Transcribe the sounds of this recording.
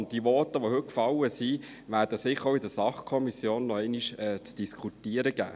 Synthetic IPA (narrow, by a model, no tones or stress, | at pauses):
nt̚d̥iʋɔtəʋohɵt̚kfɑlːəsi | ʋæːɾd̥əsɪχoʊidəɾsɑχkʰɔmisjoːnːɔɛɪniʃɛːt͡sd̥iskʰutiəɾəɡ̥æ̰ː